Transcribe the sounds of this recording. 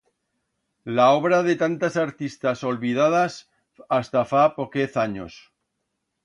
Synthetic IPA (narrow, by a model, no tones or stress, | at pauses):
laoβ̞ɾaðe̞t̪ant̪asaɾt̪ist̪aso̞lβiðað̞as | ast̪afapokeθaɲo̰s